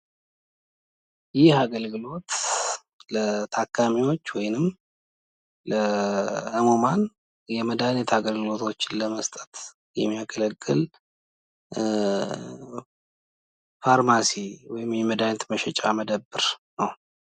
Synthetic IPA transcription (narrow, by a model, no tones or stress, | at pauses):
jɪhaɡəlɡɨlo̞t̪ | lət̪ʰakʰːamiwo̞t͡ʃːwɔjnɨm | ləhəmoman | jɛməd̪ajnɛt̪ʰaɡəlɡɨlo̞t̪ʰo̞t͡ʃːɪnləməst̪ʼət̪ | jɛmːijaɡʰələkʼːɨl | faɾmasiwɔjɪmjɛməd̪anɛt̪məʃɛt͡ʃʼaməd̪əbːɨɾnəw